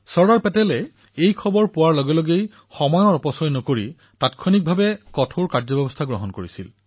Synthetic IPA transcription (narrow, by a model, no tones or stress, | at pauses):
sɔɹaɹpɛtɛlɛ | ejkʰɔbɔɹpʊwaɹlɔɡɛloɡej | xɔmɔjɔɹɔpɔsɔjnɔkoɹi | tatkʰɔnik̚bʱabɛkɔtʰoɹkaɹd͡ʒzɔbɛbɔstʰaɡɹɔ̰ɦɔnkoɹisḭl